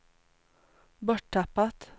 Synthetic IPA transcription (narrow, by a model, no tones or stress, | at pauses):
bɔʈʈæpɑt̪